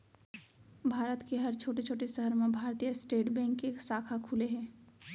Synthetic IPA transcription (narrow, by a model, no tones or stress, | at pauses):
bʱaːɾət̪keɦɐɾt͡ʃʰoːʈet͡ʃʰoːʈesəɦəɾmẽbʱaːɾt̪ijəsʈeːʈbɛ̃ːŋkːeːksaːkʰakʰuːleɦɛ̃ː